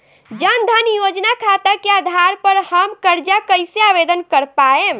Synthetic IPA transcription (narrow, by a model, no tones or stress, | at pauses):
d͡ʒənd̪ʱənjod͡ʒnakʰat̪əkead̪ʱaɾpəɾhəmkəɾd͡ʒakəɪseabed̪ənkəɾpaem